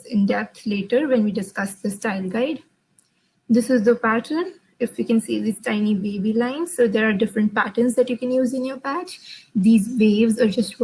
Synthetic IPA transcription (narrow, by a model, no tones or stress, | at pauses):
ɪ̃nɖɛp̚t̪ʰleːʈəɾʋɛ̃nʋiːɖɪskʌsd̪əsʈaɪlɡaɪɖ | d̪ɪsɪzd̪əpæʈʰəɾn | ɪfjuːkɛ̃nsḭːd̪iːz̥ʈãɪ̃nibeːbilãɪ̃nzsoːd̪eːɾaːɾɖɪfɾə̃ɳʈ̚pæʈə̃nzd̪ɛʈjuːkɛ̃njuːzɪ̃njoːɾpæt͡ʃd̪iːzʋeːʋzaːɾd͡ʒʌsʈ